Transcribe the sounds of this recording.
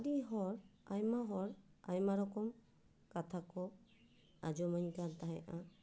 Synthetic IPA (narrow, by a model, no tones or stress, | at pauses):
adiɦɔɹajmaɦɔɹajmaɹɔkɔm | katʰakɔ | ad͡ʒɔmaɲtataɦɛʔã